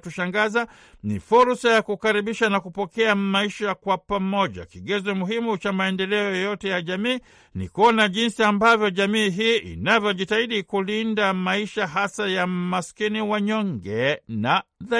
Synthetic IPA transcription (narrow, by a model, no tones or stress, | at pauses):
tuʃaŋɡaza | nḭfuɾsajakukaɾiɓiʃanakupɔkɛamaiʃakwapamɔʄa̰kiɡɛzɔmuɦimut͡ʃamaɛndɛlɛɔjɔjɔtɛjaʄamiː | nḭkuɔnaʄinsiambavjɔʄamiːɦiːʔḭnavjɔʄitaiɗikulindamaiʃaɦasajamaskiniwaɲɔŋɡɛnaða